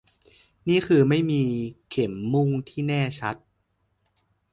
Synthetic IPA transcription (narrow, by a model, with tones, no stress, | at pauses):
niː˥˩kʰɯː˧ma˥˩jmiː˧kʰe˨˩˦mːu˥˩ŋt̪ʰiː˥˩nɛː˥˩t͡ɕʰa˦˥t̪̚